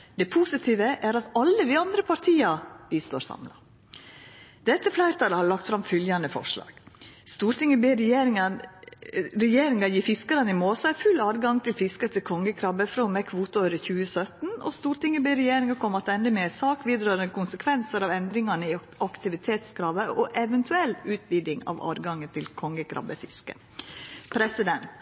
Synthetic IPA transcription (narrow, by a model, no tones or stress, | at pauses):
d̪ɛpʰusɪt̪ʰiːʋəʔæɾɑt̪ɑlːəd̪ɪːɑnd̪ɾəpʰɑɾt̪ʰiːɑb̥iːst̪o̰ːɾsɑ̰mlɑ̰ | d̪̥ɛt̪ːəflæɪɾt̪ɑɾəhɑɭɑkt̪fɾɑmfʏljɑnd̪əfɔ̰ʂlɑ̰ːɡ̥st̪uːɾt̪ɪŋːəbeːɾeɾə | ɾɛjeːɾɪŋɑjiːfɪskɑɾənɪmoːsɑfʉlːɑːd̪ɡɑŋt̪ʰɪlfɪskət̪ʰɪkʰɔŋːəkʰɾɑbəfɾɔːmɛkʰʋuːt̪əoɾəçʉːəsœt̪nɔ̰st̪uːɾt̪ɪŋːəbeːɾɛjeːɾɪŋɑkʰɔmːɑt̪ɛnd̪əmeːsɑːkʋiːd̪ɾɑːɾəkʊnsəkʰʋɛnsəɾɑʋɛnd̪ɾɪŋɑnəɪ | ɑkt̪ɪʋɪt̪ʰeːt̪skɾɑːʋəʔɔʔɛʋɛnt̪ʰʉɛlːʉːt̪̚ʋiːd̪ɪŋɑ̰ʋɑ̰ːd̪ɡɑŋːət̪ʰɪlkʰɔŋːəkʰɾɑ̰bəfɪskə̰ | pʰɾɛsɪd̪ɛnt̪